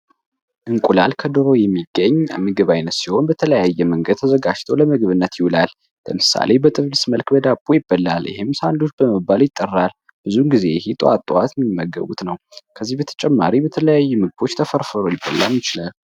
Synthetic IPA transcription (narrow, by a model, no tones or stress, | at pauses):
ʔɨŋkʼulalkʰəd̪ɨɾo̞jɛmːiɡːəɲːmɨɡɨβajnət̪siho̞nbət̪ʰələjajːɛməŋɡəd̪̥̚t̪ʰəzəɡad͡ʒt̪ʰoləmɨɡβɨnːət̪jɪwulal | lə̰mɨsa̰le̞bət̪ʼɨβlisməlkbəd̪abʼːojɪbːəlːa̰ljɪ̰hemsand̪o̞t͡ʃːb̥əməbːaljɪt̪ʼːərːal | b̥ɨzuɡize̞hit̪ʼoa̰t̪ʼːowat̪jɛmːimːəɡːə̰βut̪nəwkʰəzːihbət̪ʰə̥t͡ʃʼɛmːaɾibət̪ʰələjajːumɨɡɨbo̞t͡ʃːt̪ʰəfəɾfəɾojɪbːəlːamjɪt͡ʃɪlal